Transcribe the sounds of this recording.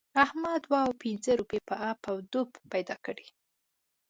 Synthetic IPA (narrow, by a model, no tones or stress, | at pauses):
ahmɑd̪wɑawpɪnzəɾupepəʔapawd̪ubːajd̪ɑkəɽi